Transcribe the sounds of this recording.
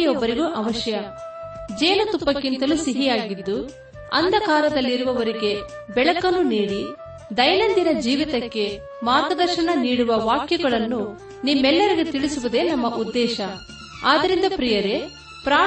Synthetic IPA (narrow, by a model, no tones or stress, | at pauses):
jɔbːɐɾiɡuʔɐʋɐʃjɐ | d͡ʒɛːnɐt̪upːɐkːint̪ɐlusiɦijaːɡid̪ːu | ɐ̰nd̪ɐkaːɾɐd̪ɐlːiɾuʋɐʋɐɾiɡe̞ | bɛɭɐkɐnːuniːɽi | d̪ɐjnɐnd̪inɐd͡ʒiːʋit̪ɐkːe̞ | maːt̪ɐd̪ɐɾʃɐɳɐniːɽuʋɐʋaːkjɐɡɐɭɐnːu | nimːɛlːɐɾiɡet̪iɭisuʋud̪e̞ːnɐmːɐʔud̪ːɛːʃɐ | aːd̪ɐɾind̪ɐpɾijɐɾe̞ | pɾaː